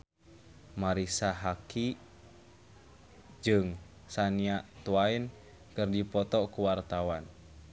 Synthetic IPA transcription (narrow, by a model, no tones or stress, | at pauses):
maɾisaɦaki | d͡ʒɨŋ | saniaʔt̪uain | kɨrdipɔt̪ɔkuwart̪awan